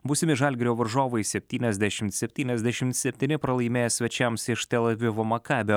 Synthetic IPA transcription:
bʊsʲɪmʲɪʒɐlʲɡʲɛɾʲoːʋɐɾʒoːʋoɪsʲɛpʲt̪ʲiːnʲɛzʲd̪ʲæʃʲɪmt̪sʲɛpʲt̪ʲiːnʲɛzʲd̪ʲæʃʲɪmt̪sʲɛpʲt̪ʲiːnʲɪpɾɐlˠɐɪmʲeːjɛsʲʋʲɛt͡ʃʲɛmsɪʃt̪ʲɛlʲˠɐʋʲɪʋoːmɐkɑːbʲoː

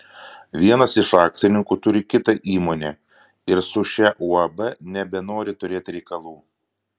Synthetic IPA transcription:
ʋʲiɛnɐsɪʃɑːk̚t̪sʲɪnʲɪŋkuːt̪ʊɾʲɪkʲɪt̪ɐʔiːmoːnʲe | ɪɾsʊʃʲɛʔuɐbɛnʲɛbʲɛnoːɾʲɪt̪ʊɾʲeːt̪ʲɾʲɛɪkɐlˠuː

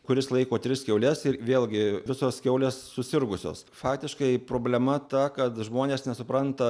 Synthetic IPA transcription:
kʊɾʲɪslˠɐɪkoːt̪ʲɾʲɪskʲɛʊlʲɛsɪrʋʲeːlˠʲɡʲɪʋʲɪsoːskʲɛʊlʲeːsːʊsʲɪrɡʊsʲo̰ːsfɑːkt̪ʲɪʃkɐɪpɾoːbʲlʲɛmɐt̪ɐkɐt̪ʒmoːnʲeːsnʲɛsʊpɾɐnt̪ɐ

